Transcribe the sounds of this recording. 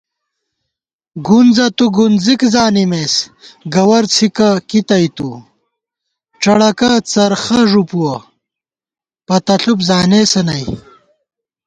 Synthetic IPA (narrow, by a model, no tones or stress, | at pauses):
ɡund͡zɐt̪uɡunzikzaːnimesɡɐwɐɾt͡sʰikɐkit̪ɐjt̪u | ʈ͡ʂɐɽɐkɐt͡sɐɾxɐʐupuwɐ | pɐt̪ɐɬupzaːneːsɐnɐj